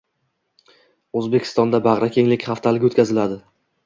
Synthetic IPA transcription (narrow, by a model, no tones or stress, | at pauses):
ɵzbe̞kʲʰɪ̥st̪ɒnd̪abaʁɾakʲʰe̞ŋlɪkʲχaft̪ʰalɪɡʲot̪kʲʰazɪlad̪ɪ